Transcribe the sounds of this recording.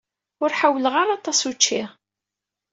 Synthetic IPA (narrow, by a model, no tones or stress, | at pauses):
ʊɾħawːələʁaɾɑt̪ˤɑsut͡ʃːiʁ